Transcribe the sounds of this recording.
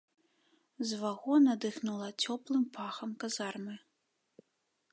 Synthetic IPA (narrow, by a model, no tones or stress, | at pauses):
zvaɣɔnɐd̪ɨxnulˠɐt͡sʲɔplˠɨmpaxɐmkazarmɨ